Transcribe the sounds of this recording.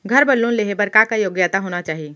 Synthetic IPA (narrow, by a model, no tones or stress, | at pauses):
ɡʱəɾbɐlːõleɦebɐɾkakajoːɡjat̪aɦoːnat͡ʃaːɦie